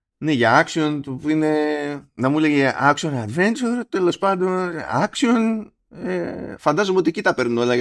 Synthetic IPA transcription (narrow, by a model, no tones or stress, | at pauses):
neʝɐɐksio̞nt̪upuine̞nɐmuleʝeʔɐksionɐd̪ve̞nt͡ʃuɾt̪e̞lo̞spɐnd̪o̞nɐksio̞n | efɐnd̪ɐzomeo̞t̪ie̞cit̪ɐpe̞ɾnuno̞lɐ